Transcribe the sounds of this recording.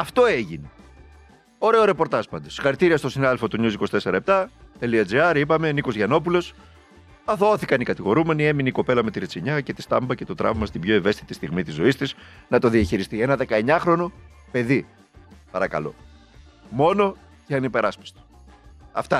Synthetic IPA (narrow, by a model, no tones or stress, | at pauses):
ɐft̪o̞eʝini | o̞ɾe̞oɾe̞po̞ɾt̪ɐspɐnd̪osxɐɾit̪iɾiɐst̪o̞sinɐðe̞lfo̞t̪uɲusikosi̥t̪ese̞ɾɐep̚t̪ɐt̪e̞liɐd͡ziɐɾipɐme̞niko̞zʝɐno̞p̬ulo̞s | ɐθooθikɐnikɐt̪iɣo̞ɾume̞nie̞mineiko̞pe̞lɐmet̪iɾet͡siɲɐce̞t̪i̥st̪ɐ̰mbɐcet̪o̞t̪ɾɐ̰vmɐst̪ibʝo̞e̞ve̞st̪i̥t̪ist̪iɣmit̪izo̞ist̪iznɐt̪o̞ðiɐçiɾist̪ie̞nɐðe̞kɐe̞ɲɐxɾo̞no̞ | pe̞ði | pɐɾɐkɐ̰lo̞̰ | mo̞no̞ | ceɐnipe̞ɾɐspi̥st̪o̥ | ɐft̪ɐ